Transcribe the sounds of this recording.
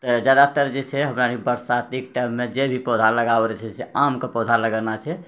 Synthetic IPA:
t̪ɔd͡ʒad̪at̪əɾd͡ʒet͡ʃʰɛɦəmɾanibəɾsat̪ik̚ʈajmːed͡ʒebʱipɔd̪ʱaləɡabɾɛt͡ʃʰɛseamkepɔd̪ʱaləɡənat͡ʃʰɛ

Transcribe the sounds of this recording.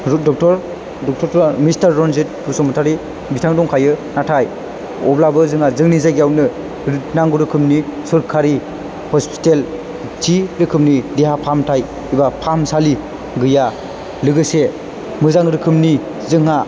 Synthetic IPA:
dɔk̚tɔɾ | dɔk̚tʰɔɾtɔmistaɾːɔnzit̚pʰusɔmɯtʰaɾi | bitʰaŋdɔŋkʰajɯnatʰaj | ɔ̰blabɯzɯŋazɯŋnizajɡjawnɯ | naŋɡuɾɯkʰɯmnisɔɾkʰaɾi | hɔspi̥tel | tʰiɾɯkʰɯmnideɦapʰamtʰaj | ibapʰamsali | ɡɯja | lɯɡɯse | mɯzaŋɾɯkʰɯmni | zɯŋa

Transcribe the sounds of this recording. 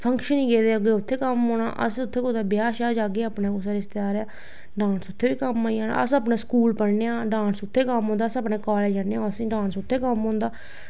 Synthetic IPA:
pʰəŋkʃənĩːɡeːd̪eːəɡeːʊt̪ʰːeːkəmɦõːna̰ːʔə̰sʊt̪ʰːeːkot̪aːbɪjaːʃaːd͡ʒaːɡeːaːpnẽːkʊsaɾɪst̪jaːɾaː | ɖãːnsʊt̪ʰːeːʋiːkəmaːiaːna̰ːəsəpneːskuːlpəɽneːãːɖãːnsʊt̪ʰːeːkəmɦõːnd̪aːsəpɳeːkaːleːd͡ʒanẽːãsɖãːnsʊt̪ʰːeːkəmɦõːnd̪aː

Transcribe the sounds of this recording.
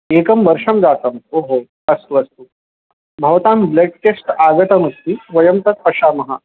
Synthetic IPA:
ekəmʋəɾʂɐmd͡zat̪əmoɦo | ɐst̪uɐst̪uː | bʱɐʋt̪ambleʈ̚ʈesʈaɡət̪ɐmɐst̪iʋɐjəmt̪ɐt̪̚pɐʂaːmɐɦa̰

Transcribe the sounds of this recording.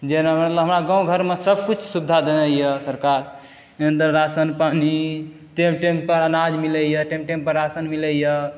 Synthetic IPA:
d͡ʒenaɦəmlɦəmɾaɡãwɡʱəɾmesəb̚ʱkut͡ʃʰsubd̪ʱad̪enəjəsəɾkaɾ | end̪əɾːasənpani | ʈemʈempəɾanad͡ʒmiləjəʈemʈempəɾːasənmiləjə

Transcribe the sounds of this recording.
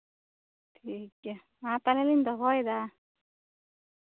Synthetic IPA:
tʰike | mat̪alelind̪ɔɦɔjd̪a

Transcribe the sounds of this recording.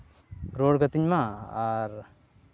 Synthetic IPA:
ɾoːɽɡɐt̪iɲmaaɾ

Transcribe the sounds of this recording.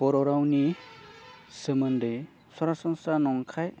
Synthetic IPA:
bɔɾɔɾawni | semɯnde | sɔɾasɔŋsanɔŋkʰaj

